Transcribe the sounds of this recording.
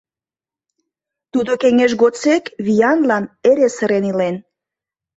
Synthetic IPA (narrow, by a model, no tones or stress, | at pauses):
t̪ud̪okeŋeʃ̬ɣot͡sekβijɑnlɑneɾesəɾenilen